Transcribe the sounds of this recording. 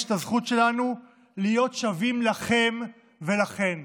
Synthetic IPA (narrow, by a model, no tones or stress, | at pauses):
ʃtazχut̪ʃe̞lanu | lijo̞t̪ʃavimlaχe̞m | ve̞laχe̞n